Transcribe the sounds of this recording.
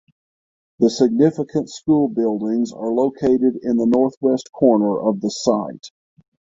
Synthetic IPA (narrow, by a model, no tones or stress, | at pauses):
ðɨsɨɡ̚nɪfəkʰɨ̃ntskulˠbɪlˠdɪ̃ŋzə˞loʊkʰeɪɾɨɾɪ̃nðənɔɹθwɛskʰɔɹnə˞ʔʌvðəsaɪt̚